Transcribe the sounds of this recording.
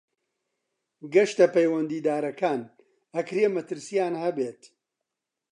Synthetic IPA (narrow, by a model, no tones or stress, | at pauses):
ɡɐʃt̪ɐpɐjwɐnd̪iːd̪aːɾɐkʰaːn | ɐkɾemɐt̪ɨɾsijaːnhɐbeːt̪